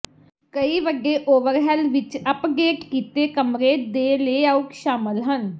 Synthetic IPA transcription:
kəiːʋəɡeːʔoːʋəɾɦɛlʋɪt͡ʃəpɡeːkkiːt̪eːkəmɾeːd̪eːleːaːʊkʃaːməlɦən

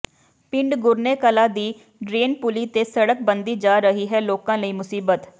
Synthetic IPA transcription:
pɪ̃ɳɖɡʊɾneːkəlaːd̪iː | ɖɾeːnpʊliːt̪eːsəɽək̚bənd̪iːd͡ʒaːɾəɦiːɦɛːloːkãːləiːmʊsiːbət̪

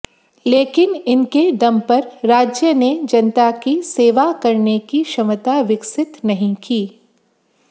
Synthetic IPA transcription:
leːkɪnɪnked̪ɐmpɐɾɾaːd͡ʒjəned͡ʒɐnt̪akiseːʋakɐɾnekiʃɐmət̪aʋɪksɪt̪nɐɦĩkiː

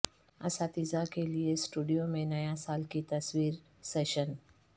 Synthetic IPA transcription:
ɐ̰sat̪izakeliesʈuːɖijomẽnɐjasaːlkit̪ɐswiːɾ | seːʃən

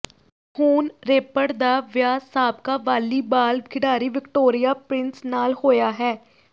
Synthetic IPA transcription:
huːnɾeːpəɽd̪aːʋjaːsaːb̚kaːʋaːliːbaːlkʰɪɖaːɾiːʋɪkʈoːɾɪjaːpɾɪnsnaːlhoːjaːɦɛː

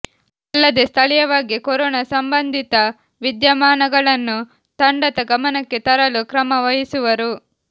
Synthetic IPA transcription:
ɐlːɐd̪ist̪ʰɐlijɐʋaːɡikoɾɔːnɐsɐmbɐnd̪ʱit̪ɐ | ʋid̪jɐmaːnɐɡɐɭɐnːu | t̪ɐɳɖɐt̪ɐɡɐmɐnɐkːit̪ɐɾɐlukɾɐmɐʋɐjisuʋɐɾu

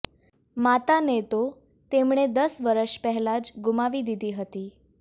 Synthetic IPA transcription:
mat̪anet̪o | t̪emɳ̃ed̪əsʋəɾəʃpɛɦɛlad͡ʒɡumaʋid̪id̪iɦət̪i

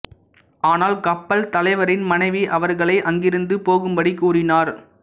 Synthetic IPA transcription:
ʔaːnaːlkɐpːɐlt̪ɐlɐɪʋɐɾɪnmɐnɐɪʋiʔɐʋɐɾɣɐɭɐɪʔɐŋɡɪɾɯnd̪ɯpoːɣɯmbɐɽikuːrɪnaːɾ

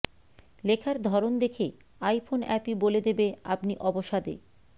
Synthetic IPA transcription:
lekʰaɾd̪ʱɔɾond̪ekʰe | ajfʰonɛpiboled̪ebea̰pniʔɔboʃad̪ḛ

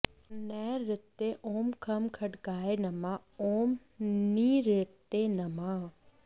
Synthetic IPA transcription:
nɛːɾɪt̪ːeʔoːmkʰɐmkʰɐʈkaːenɐmaoːm | niɾɪt̪ːenɐma

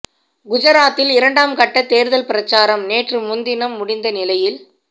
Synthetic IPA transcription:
ɡʊd͡ʒɐɾaːt̪ːɪlɪɾɐɳɖaːmkɐʈːɐt̪ːeːɾɯðɐlpɪɾɐt͡ʃːaːɾɐmneːʈrɯmʊnd̪ɪnɐmːʊɽɪnd̪ɐnɪlɐjɪl

